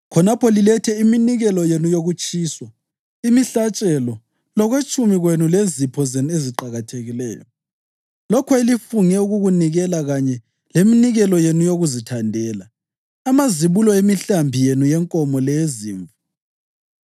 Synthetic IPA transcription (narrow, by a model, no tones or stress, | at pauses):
kʰɔnapʰɔlilɛtʰɛiminiɣɛlɔjenujoɣut͡ʃʼiːswa | imiɬat͡ʃʼɛlɔ | lɔɣwet͡ʃʼumiɣwenulezipʰɔzenueziǃaɣatʰeɣilɛ̰ːjɔ | lɔkʰɔilifuŋɛuɣuɣuniɣɛlaɣaɲɛ | leminiɣɛlɔjenujoɣuzitʰandʱɛːlaː | maziβulɔemiɬambʱijenujɛŋkʼɔmɔlɛzḭːɱvu